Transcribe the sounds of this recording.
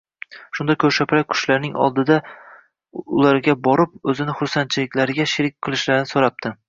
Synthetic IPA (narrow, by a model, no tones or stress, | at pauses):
ʃʊnd̪akʰɵɾʃapʰɾak̚ʲkʰʊ̥ʃlaɾnɪŋɒ̰lˠd̪ɪd̪a | ʊlaɾɡʲabɒɾɪp̚ɵzɪnɪχʊɾsan̚t͡ʃʰɪlɪkʲlaɾɪɡʲaʃɪɾɪk̚ʲqʰɨlˠɪʃlaɾɪnɪsoɾap̚t̪ʰɪ